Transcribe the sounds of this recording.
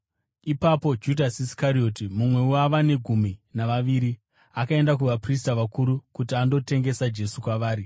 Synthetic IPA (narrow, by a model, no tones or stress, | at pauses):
ipapo̞d͡ʒudʱasiskaɾio̞ːtimumwe̞uaʋane̞ɡʱuminaʋaʋiːɾi | akae̞ndak̬uʋapris̬taʋakuɾukut̬iando̞te̞ŋɡe̞sad͡ʒe̞sukwaʋaːɾi